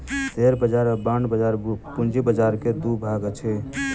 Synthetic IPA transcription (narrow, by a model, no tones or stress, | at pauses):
t̪eɾbəd͡ʒaɾbanbəd͡ʒaɾpund͡ʒibəd͡ʒaɾked̪ubʱaɡət͡ʃʰɛ